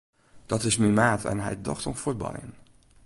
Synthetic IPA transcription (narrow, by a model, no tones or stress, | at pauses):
d̥ɑtɪsmimaːtʰɛ̰nɦɛ̰jdɔ̰χtɔmforba̰jə̰n